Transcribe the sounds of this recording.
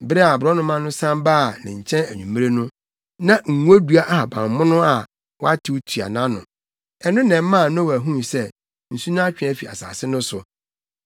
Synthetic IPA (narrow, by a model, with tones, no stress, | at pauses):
bɪ˦ɾɛ˦a˨bʊ˨ɾɔ˦nʊ̃˦mã˦nʊ̃˦sã˦mbaː˦˨nɪ̰̃˨ɲ̩˨t͡ɕʰɛ̃˦næ˨ɲũ˨mːĩ˦ɾe˦nʊ̃˦ | nã˦ŋ̩˨ŋ˦o˦du˦a˦ʔha˨bã̰˨m˨mʊ̃˦nʊ̃˦a˨ | wa˦tʰɪ˨˦wtʰi˨a̰˨nã˦nʊ̰̃˨ | ɛ˨nʊ̃˦nɛ̃˨mː˦ã˦˨nʊ̃˦wæ˨ɦũ˦˨sɛ˦ | n̩˨su˦nã˦a˦t͡ɕᶣæ˦fi˨a̰˨sa̰ː˨sɪ˦nʊ̃˦sʊ˨